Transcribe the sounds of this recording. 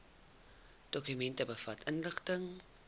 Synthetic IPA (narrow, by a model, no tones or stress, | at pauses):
d̥ɔkymɛntəbəfɐtənləχtəŋ